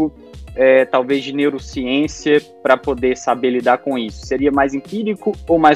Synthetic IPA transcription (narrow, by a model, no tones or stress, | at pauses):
ʊ | ɛt̪awvezd͡ʒɪnewɾʊsiẽsiɐpɾɐpod̪eɾsabeɾlid̪aɾkõisʊ̥seɾiɐmajzẽpiɾikʊowmaj